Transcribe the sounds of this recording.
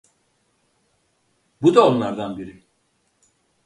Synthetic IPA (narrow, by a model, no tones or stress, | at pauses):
bud̪ao̞nlˠaɾd̪anbiɾɪ